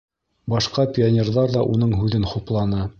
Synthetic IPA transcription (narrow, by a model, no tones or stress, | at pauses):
bɑʃqɑpʲɪonʲerðɑɾðɑʔunɤɴɦʉðɘnχuplˠɑnɤ